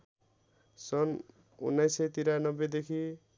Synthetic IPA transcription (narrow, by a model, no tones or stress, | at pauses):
sʌn | ṵnːajsʌjt̪iɾanʌbed̪ekʰi